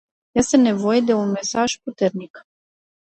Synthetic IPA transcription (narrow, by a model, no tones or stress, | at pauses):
jest̪ene̞vo̞jed̪e̞unme̞saʒ̥put̪e̞rnik